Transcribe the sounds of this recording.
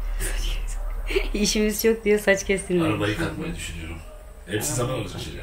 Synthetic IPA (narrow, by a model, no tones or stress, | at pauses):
sḁt͡ʃʰɛ | iʃimizt͡ʃʰo̞k̚d̪ijosat͡ʃcʰɛst̪ʰinmiɾabajikʰat̪majad̪yʃynyjoɾum | ɛpsizzamanolˠuɾiʃel̰ʲ